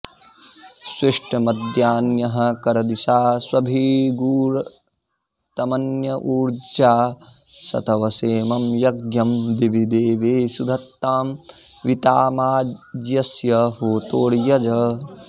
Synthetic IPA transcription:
siʂʈʰɐmɐd̪jaːnjɐɦɐ̆kɐɾɐd̪isaːswɐbʱiɡuːɾ | t̪ɐmɐnjɐʔuːɾd͡ʒaː | sɐ̰t̪ʰɐʋɐseːmɐmjɐɡjɐmd̪ibʱid̪eːʋeːsud̪ʱɐt̪ːaːmʋit̪aːmaːd͡ʒjɐsjɐɦoːt̪oːɽjɐd͡ʒɐ

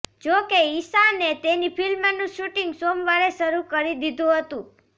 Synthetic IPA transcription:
d͡ʒokeisanet̪enipʰilmənũʃuʈiŋɡsomʋaɾeʃəɾukəɾid̪id̪ʱũɦət̪ũ

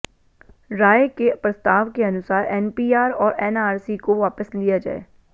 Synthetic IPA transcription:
ɾaːjkepɾɐst̪aːʋkeɐnʊsaːɾɛːnpiːaːɾɔːɾɛːnaːɾsikoʋaːpəslijad͡ʒa̰ːḛː

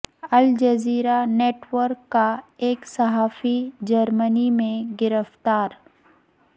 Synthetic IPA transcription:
ɐld͡ʒəziːɾaneːʈwəɾkːaeːksɐɦaːfid͡ʒəɾmənimẽɡɪɾəft̪aːɾ

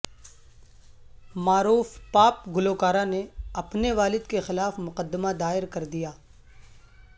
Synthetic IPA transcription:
maːɾuːfpaːp̚ɡʊloːkaːɾaneɐpneʋaːlɪd̪kexɪlaːfmʊqəd̪ːəmad̪aːɪɾkɐɾd̪ijaː

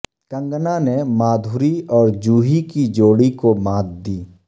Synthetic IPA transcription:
kə̃ŋɡnanemaːd̪ʱuɾiɔːɾd͡ʒuːɦikid͡ʒoːɽikomãːt̪̚d̪iː

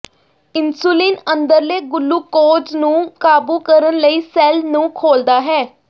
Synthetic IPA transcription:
ɪnsuːlɪːnənd̪əɾleːɡʊlːuːkoːd͡ʒnũːkaːbuːkəɾənləiːsɛːlnũːkʰoːld̪aːɦɛː

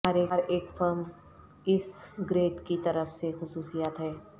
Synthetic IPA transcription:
aːɾeɾeːkfəɾm | ɪsɡɾeːʈkit̪ɐɾəfsexʊsuːsijaːt̪ɦɛː

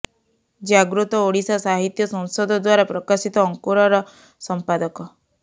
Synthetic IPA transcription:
d͡ʒaɡɾut̪ɔoɽisasaɦit̪jɔsɔ̃ŋ̃sɔd̪ɔd̪waɾapɾɔkasit̪ɔːŋkuɾɔɾɔ | sɔmpad̪ɔkɔ

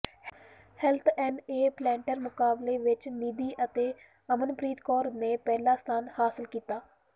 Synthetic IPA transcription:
hɛlt̪ʰɛ̃ːɳɖeːplɛːɳʈəɾmʊkaːbleːʋɪt͡ʃniːd̪iːʔət̪eː | əmənpɾiːt̪kɔːɾneːpɛːlaːst̪ʰaːnhaːsɪlkiːt̪aː

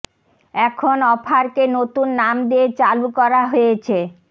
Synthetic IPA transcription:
ɛkʰonɔpʰaɾkenot̪unːamd̪eet͡ɕalukɔɾaɦojet͡ɕʰe

